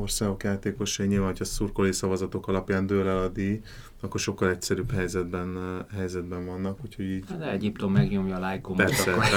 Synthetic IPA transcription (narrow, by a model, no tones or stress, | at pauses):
o̞rsaːɡo̞kjaːt̪eːko̞ʃɛiɲilvanɦocʰɒsurkolesɒvɒzɒt̪o̞kɒlɒpjaːnd̪øːlɛlɒd̪i | ɒkːorʃo̞kːɒlɛcsɛɾyːphɛjzɛd̪bɛnɦɛjzɛd̪bɛɱvɒnːɒkhucho̞ɟiːɟd̪ɛɛɟipt̪o̞mːɛɡɲo̞mjɒːlajkopɛrsɛ